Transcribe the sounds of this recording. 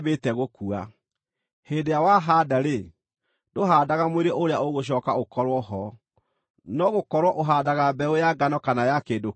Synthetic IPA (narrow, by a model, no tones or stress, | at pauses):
βetɛɣokua | heːdejawaɦaːdaɾe | doɦadaɣamweɾeʔoɾeaoɣoɕ̬ɔːkaokɔɾwɔɦɔ | nɔɣokɔɾwɔʔoɦadaɣabɛojaɡanɔkanajakeːdo